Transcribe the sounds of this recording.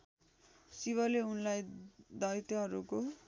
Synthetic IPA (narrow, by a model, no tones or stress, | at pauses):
siβʌleunlajd̪ʌjt̪ʌɦʌɾuko